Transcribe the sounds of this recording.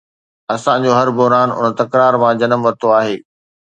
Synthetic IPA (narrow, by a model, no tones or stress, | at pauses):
ɐsãd͡ʑoːɦɐɾbʊɦɾaːnʊ̰n̆t̪ɐkɾaːɾmãd͡ʑɐnəmʋɐt̪oaːɦeː